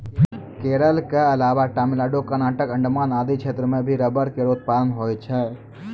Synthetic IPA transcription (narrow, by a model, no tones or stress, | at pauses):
keːɾəlkeɐlaːʋaʈaːmɪlaːɖokəɾnaːʈəkə̃ɳɖmaːnaːd̪ikʰeːt̪ɾəmẽbʱiɾəbəɾkeɾoːt̪̚paːlənɦoːjt͡ʃʰɛː